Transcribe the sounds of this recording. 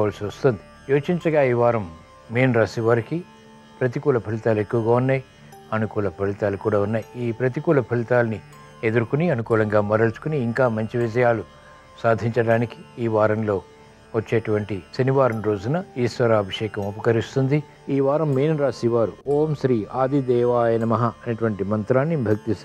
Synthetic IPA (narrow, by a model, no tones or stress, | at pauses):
aːlsiʋɐst̪ond̪i | joːt͡ʃiɲt͡ʃɐɡaːiːʋaːɾɐmː | eːnɾaːsiʋaːɾiki | pɾɐt̪̬ikuːlɐpʰɐlit̪aːle̞kːuʋɐɡaːunːaːji | ɐnukuːlɐpʰɐlit̪aːlukuːɽaːunːaːjiiːpɾɐt̪ikuːlɐpʰɐlit̪aːlɐni | e̞d̪uɾukuniɐnukuːlɐŋɡaːmɐɾɐlt͡ʃu̥kuniːŋkaːmɐɲt͡ʃiʋid͡ʒɐjaːlu | saːd̪ʱiɲt͡ʃɐɽaːniki̥iːʋaːɾɐmlo̞ː | ʋɐt͡ʃːeːʈuʋɐɳʈisɐniʋaːɾɐmɾoːd͡ʒunɐiːsʋɐɾaɐbʱɐʂɛːkɐmupɐkɐɾist̪und̪i | iːʋaːɾɐmːiːnɐɾaːsiʋaːɾuoːmʃɾiːaːd̪ʱid̪ɛːʋaːjɐnɐmɐɦɐɐnɐʈuʋɐɳʈimɐnt̪ɾaːnːibʱɐk̚t̪is